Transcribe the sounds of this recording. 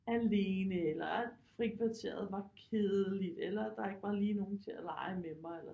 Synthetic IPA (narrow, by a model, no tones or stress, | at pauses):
æleːnəelɐæ̥fʁikʰʋæt͡sʰe̝̰ːɐð̞̩ˠʋɑ̈kʰeːððˠəlid̥elɐd̥ɑ̈e̝ɡ̥əʋɑ̈liːno̝ːn̩t͡sʰe̝ælɑ̈ɪəmemɑelɐ